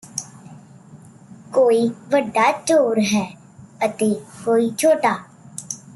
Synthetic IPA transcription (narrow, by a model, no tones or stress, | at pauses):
koːiːʋəɖːaːt͡ʃoːɾɦɛː | ət̪eːkoːiːt͡ʃʰoːʈaː